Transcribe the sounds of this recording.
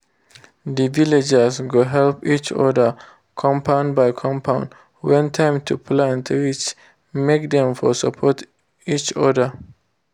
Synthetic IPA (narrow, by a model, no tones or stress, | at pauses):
ðəviled͡ʒəzɡoɦɛlpit͡ʃɔ̰də˞ | kʰɔ̃mpʰãʊ̃ndbaɪkʰɔ̃mpʰãʊ̃n | wɛ̃ntʰãɪ̃mtʰupʰlãntwɪt͡ʃ | mek̚d̪ɛ̃mfɔsəpʰɔt | it͡ʃɔdə